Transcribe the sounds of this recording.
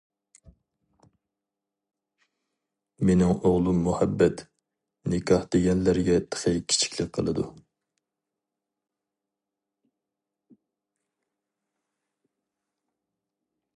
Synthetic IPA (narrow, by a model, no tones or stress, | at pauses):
menɪŋoʁlˠumːuhɛbːɛt̪ | nɪkʰɑhd̪eɡʲɛnlæɾɡʲɛt̪ʰə̥χejkʲʰi̥t͡ʃʰi̥kʲlɪk̚ʲqʰəlˠɨd̪ṵ